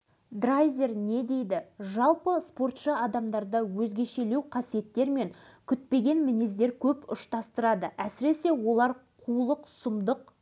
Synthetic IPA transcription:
d̪rajzʲe̞ɾne̞d̪e̞jd̪ɪʒɑlˠpəspo̞rt̪ʃɑɑd̪ɑmd̪ɑɾd̪ɑwɵzɡʲe̞ʃe̞le̞wqʰɑsije̞t̪ːe̞ɾme̞ŋ | kʲʰʏt̪̚pe̞ɡʲe̞nmɪnezd̪e̞ɾkʲʰɵpʊʃt̪ɑst̪əɾɑd̪əʔæsɪɾe̞se̞wo̞lˠɑɾqʰulˠəqsʊmd̪əq̚

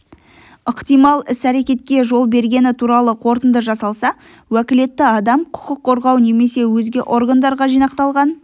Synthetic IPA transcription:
əqt̪ijmɑlˠɪsæɾe̞kʲe̞t̪̚kʲe̞ʒo̞lˠbe̞ɾɡʲe̞nɪt̪ʰuɾɑlˠəqʰo̞ɾt̪ənd̪əʒɑsɑlˠsɑ | wækʲɪle̞t̪ːɪɑd̪ɑmqʰʊ̥qəqʰːo̞ɾʁɑwne̞me̞se̞wɵzɡʲeʔo̞rɡand̪ɑɾʁɑʒijnɑqt̪ɑlˠʁɑn

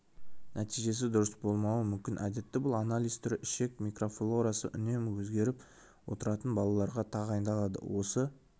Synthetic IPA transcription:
nʔæt̪ijʒe̞s̬ɪd̪ʊɾəsbo̞lˠmɑwəmʏmkʲɪnʔæd̪e̞t̪ːɪbʊlˠanalʲˠijzt̪ʰʏɾɪʃe̞k̚mʲijkro̞flˠoɾasəʔʏ̰ne̞mwɵzɡʲe̞ɾɪp | wo̞̰t̪əɾɑt̪ənbɑlˠɑlˠɑɾʁɑt̪ʰɑʁɑjənd̪ɑlˠɑd̪ə̰wo̞sə

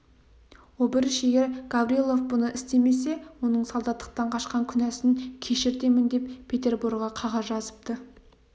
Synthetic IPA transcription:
wobɪɾɪʃe̞ɡʲe̞ɾɡ̥avɾielˠo̞fbʊnəʔɪst̪e̞me̞s̬e̞wo̞nəɴsɑlˠd̪ɑt̪ːə̥q̚t̪ɑɴqʰɑʃqɑŋkʲʰʏnæsɪŋkʲʰe̞ʃɪɾt̪e̞mɪnd̪e̞ppʰʲːe̞t̪e̞rburɡʁɑqʰɑʁɑzʒɑzəp̚t̪ə

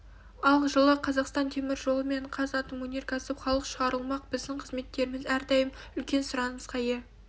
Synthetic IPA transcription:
ɑlˠʒəlˠəqʰɑzɑqst̪ɑnt̪ʰe̞mɪɾʒo̞lˠəme̞ɴqʰɑzɑt̪ənmwɵnʲeɾkʰɑsɪpχɑlˠəqʃəʁɑɾəlˠmɑq̚bɪzd̪ɪɴqʰəzme̞t̪ːe̞ɾɪmɪzæɾd̪ɑjəm | ʏlkʲe̞nsʊɾɑnəɴəz̥qʰɑje

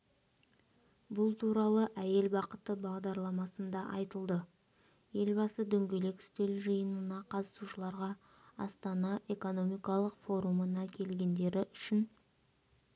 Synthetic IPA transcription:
bʊlˠt̪ʰuɾɑlˠəʔæje̞lbɑqət̪əbɑʁd̪ɑɾlˠɑmɑsənd̪ɑʔɑjt̪əlˠd̪ə | je̞lbɑsəd̪ɵŋɡʲe̞le̞kʲʏ̥st̪e̞lʒəjənənɑqʰɑt̪ə̥suʃəlˠɑɾʁɑ | ɑ̰st̪ɑnɑʔe̞ko̞no̞mijkɑlˠəqfo̞ɾumənɑkʲʰe̞lɡʲe̞nd̪e̞ɾɪʔʏʃɪn

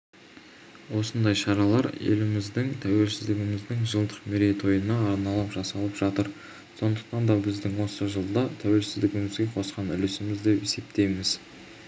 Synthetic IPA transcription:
wo̞sənd̪ɑjʃɑɾɑlˠɑɾḛlɪmɪzd̪ɪŋt̪ʰæwe̞lsɪzd̪ɪɡʲɪmɪzd̪ɪŋʒəlˠd̪əqmeɾe̞jt̪ʰo̞jənɑːɾnɑlˠɑpʒ̥ɑsɑlˠəpʒɑt̪əɾ | so̞nd̪ə̥q̚t̪ɑnd̪ɑbɪzd̪ɪŋwo̞səʒəlˠd̪ɑt̪ʰæwe̞lsɪzd̪ɪɡʲɪmɪzɡʲe̞qʰo̞sqɑnʏ̰lɪsɪmɪzd̪e̞pese̞pt̪e̞jmɪz

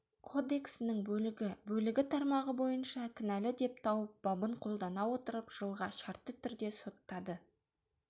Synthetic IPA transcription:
kʰo̞d̪e̞ksɪnɪŋbɵlɪɡʲɪbɵlɪɡʲɪt̪ʰɑɾmɑʁəbo̞jənʃɑkʲʰɪnælɪd̪e̞p̚t̪ʰɑwəp̚b̥ɑbəɴqʰo̞lˠd̪ɑnɑwo̞t̪əɾəpʒ̥əlˠʁɑʃɑɾt̪ːət̪ʰʏɾd̪e̞so̞t̪ːɑd̪ə

